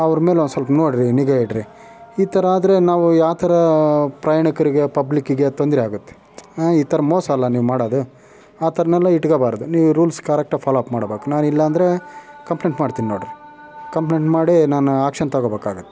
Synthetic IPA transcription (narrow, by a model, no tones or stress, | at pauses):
ɐʋɐɾme̞ːlonusɐlpnoːɽɾiniɡaiʈɾi | iːt̪ʰɐɾɐaːd̪ɐɾe̞naːʋujaːʋt̪ʰɐɾɐpɾaːjaːɳikɐɾiɡe̞pɐblikːiɡe̞t̪ond̪ɾiaːɡut̪ːe̥ | iːt̪ʰɐɾɐmɔːsɐːlːɐniːʋmaːɽoːd̪u | aːt̪ʰɐɾɐnɛlːɐiʈɡɐbaːɾɐd̪uniːʋuɾuːlskɐɾek̚ʈaːpʰaːloːpmaːɽbeːkunaːnilːɐːnd̪ɐɾe̞kɐmpleɳʈmaːɖt̪iːninoːɽiɾi | kɐmpleːʈmaːɽinaːnuaːkʂɐnt̪ɐɡoːbeːkaːɡut̪ːe̥